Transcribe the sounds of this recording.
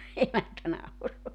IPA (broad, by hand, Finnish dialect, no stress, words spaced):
emæntæ nɑuroɑ